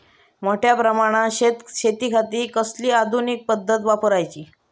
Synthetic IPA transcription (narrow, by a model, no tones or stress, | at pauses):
moʈʰjapɾəmaɽ̃aɕet̪ɕet̪iːkʰat̪iːkəsliːad̪ʱunik̚pəd̪ʱːət̪̬ʋapəɾajt͡ɕiː